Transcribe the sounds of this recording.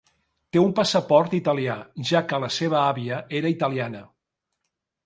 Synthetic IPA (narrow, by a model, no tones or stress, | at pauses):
t̪eumpəsəpɔɾt̪it̪əliaʒakələseβəaβiəʔeɾəit̪əlianə